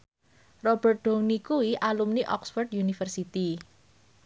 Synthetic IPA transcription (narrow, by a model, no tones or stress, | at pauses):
rɔb̥ərt̪̚ɖ̪̥o̤ŋnikuwiʔalumniʔɔksfɔrd̪junifərsit̪i